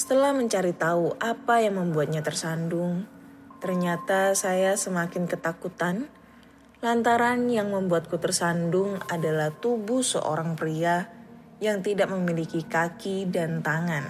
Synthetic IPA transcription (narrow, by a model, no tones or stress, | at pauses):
sə̥t̪əlahməɲt͡ʃaɾit̪auʔapajaŋməmbuat̪̚ɲat̪ərsandʊŋ | t̪ərɲat̪asajasəmakɪnkət̪akut̪an | lant̪aɾanjaŋməmbuat̪̚kut̪ərsandʊŋadalaht̪ubʊsə̰ʔo̰ɾaŋpɾia | jaŋt̪idak̚məmilikikakidant̪aŋan